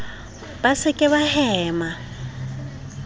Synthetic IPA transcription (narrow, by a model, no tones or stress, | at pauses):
b̥asɪkʼɪβahɛːma